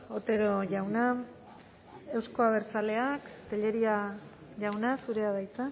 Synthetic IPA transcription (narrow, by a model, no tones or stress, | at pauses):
o̞t̪e̞ɾo̞ʝawna | e̞wsko̞aβ̞e̞ɾt͡sale̞akt̪eʎe̞ɾia | ʝawnasuɾe̞að̞ajt͡sa